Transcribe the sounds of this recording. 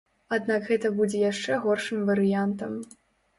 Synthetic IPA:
ad̪nakɣɛt̪ɐbud͡zʲɛjaʂt͡ʂɛɣɔrʂɨmvɐɾɨjant̪ɐm

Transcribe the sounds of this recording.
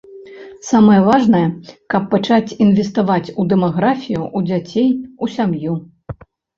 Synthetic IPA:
samɐjɐvaʐnɐjɐkɐpːat͡ʂat͡sʲinvʲɛst̪avat͡sʲud̪ɛmaɣɾafʲijuʔud͡zʲat͡sʲejusʲamju

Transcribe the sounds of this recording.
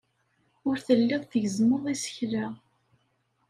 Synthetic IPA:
ʊɾθəlːiðˤθəʝəzməðˤisə̥çɾa

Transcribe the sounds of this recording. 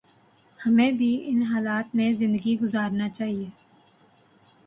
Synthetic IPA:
hɐmẽːbʱiɪnɦaːlaːt̪mẽzɪ̃nd̪əɡiɡʊzaːɾnat͡ʃaːɦieː

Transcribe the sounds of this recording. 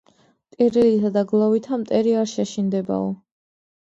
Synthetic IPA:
t̪ʼiɾilit̪ʰad̪aɡlˠɔvit̪ʰamt̪ʼɛɾiaɾʃaʃind̪ɛba̰ɔ

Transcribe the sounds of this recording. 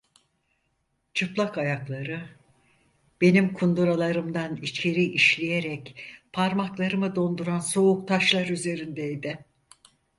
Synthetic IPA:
t͡ʃʰɯplˠakajaklˠaɾɯ | b̥e̞nimkʰund̪uɾalˠaɾɯmd̪anit͡ʃʰe̞ɾiʔiʃlʲijeɾɛcpʰaɾmaklˠaɾɯmɯd̪o̞nd̪uɾanso̞uk̚t̪ʰaʃlˠaɾyze̞ɾind̪ejd̪ɪ

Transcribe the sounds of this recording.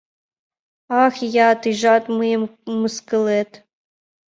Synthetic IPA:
ɑxjɑt̪ɨʒɑt̪mɨjəmːɨskɨlet̪

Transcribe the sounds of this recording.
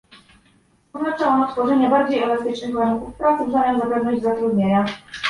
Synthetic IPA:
ɔznat͡ʂɛɔnɔt̪fɔʐɛɲɛbaɾd͡ʑejɛlast̪ɘt͡ʂnɘɣvaɾunkufpɾat̪sbzaɲʲɛmzapɛvnɔʑd͡ʑzat̪ɾud̪ɲeɲa

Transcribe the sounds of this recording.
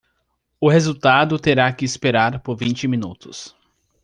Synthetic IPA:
ʊhezuwt̪ad̪ʊt̪eɾakɪːspeɾaɾpoɾvĩt͡ʃɪmĩnut̪ʊs

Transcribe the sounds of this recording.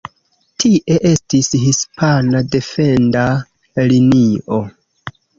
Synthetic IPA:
tʰiʔe̞ʔe̞stishispʰanade̞fe̞nda | linio̞

